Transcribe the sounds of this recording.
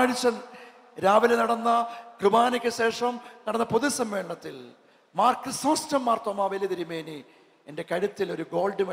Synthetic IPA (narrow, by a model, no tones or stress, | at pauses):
aːɻit͡ɕːɐ | ɾaːʋilenɐɽɐnːɐkrɨbaːnɐkʲːɐɕe̞ːʂɐmnɐɽɐnːɐpoðusɐmʋe̞ːɭɐɳɐt̪ːil | maːrkːɨsɐmɐstɐmːaːrt̪ɐmaːʋeljɐðɐɾimeːni | ende̞kɐɻɐt̪ːilo̞ɾuɡo̞ːlɖɨʋɐ